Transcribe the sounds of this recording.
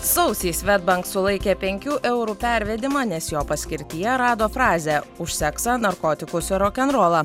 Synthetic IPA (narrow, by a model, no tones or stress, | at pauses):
sɒʊsʲiːsʋʲɛd̪̚bɐŋksʊlˠɐɪkʲeːpʲɛŋʲkʲuːʔɛʊɾuːpʲæˑɾʲʋʲɛd̪ʲɪmɑːnʲɛsjoːpɐsʲkʲɪɾʲt̪ʲɪjɛɾɑːd̪oːfɾɑːzʲɛʊʃʲsʲɛksɑnɐɾkoːt̪ʲɪkʊsʲɪɾɔkʲɛnɾoːlˠɐ